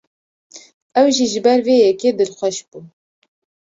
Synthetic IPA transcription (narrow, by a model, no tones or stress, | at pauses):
ɛwʒiʒɨbɛɾveːjɛkeːd̪ɨlxʷɛʃb̥uː